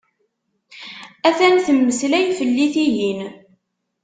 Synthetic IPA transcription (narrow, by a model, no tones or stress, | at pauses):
æθænθəmːəslæjfəlːiθijin